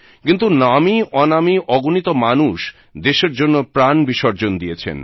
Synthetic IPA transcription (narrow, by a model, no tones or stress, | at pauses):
kint̪̬unamiɔnamiʔɔɡunit̪omanuʃ | d̪eʃeɾd͡ʑonːopɾanbiʃɔɾd͡ʑond̪iet͡ɕʰḛn